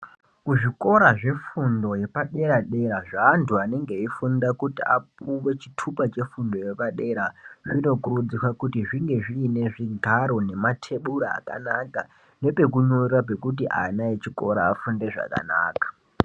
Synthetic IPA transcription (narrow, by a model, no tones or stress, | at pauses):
kuʐiko̞ɾaʐe̞fundo̞je̞paɗe̞ɾaɗe̞ɾaʐaːntʰuane̞ŋɡe̞ifundakutia̰p̚uwe̞t͡ʃi̥tʰupat͡ʃe̞fundo̞je̞paɗe̞ɾaʐino̞kurud͡zikwakutiʐiŋɡe̞ʐiːne̞ʐiɡʱaɾo̞ne̞matʰe̞ɓuɾaa̰ka̰naka | ne̞pe̞k̬uɲoirap̬e̞kut̬iʔa̰naet͡ʃiko̞̰ɾa̰ːfunde̞ʐa̰ka̰na̰ːkḁ